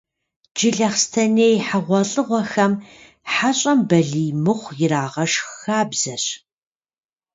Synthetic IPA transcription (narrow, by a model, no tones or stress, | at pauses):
d͡ʒɪɮɐχstʰɐneːjħaʁʷɔɬʼɨʁʷɔxɐm | ħaɕʼɐmbɐɮiːmɨχʷjɪraːʁɐʂxaːbz̥ɐɕ